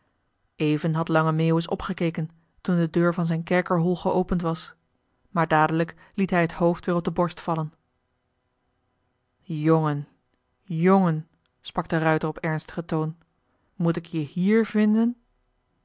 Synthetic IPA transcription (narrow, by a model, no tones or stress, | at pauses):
ejvənɦɑtlɑŋəmeːwəsɔ̰pχəkeːkən | tundədøːɹvɑnzɛjnkɛɹkəɹɦɔlˠχəowpəntʋɑs | maːɹdaːdələk | litɦɛjɦətɦowftʋɪːrɔb̚dəbɔɹstfɑlən | joŋən | joŋən | sprɑɡ̚dərœɥtərɔpɛɹnstə̥χətown | mut̬ɪkjəhiːɹvɪndən